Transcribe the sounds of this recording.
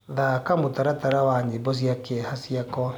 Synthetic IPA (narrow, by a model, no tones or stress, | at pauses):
ðakamotaɾataɾawaɲebɔs̬jakeɛhasiakɔ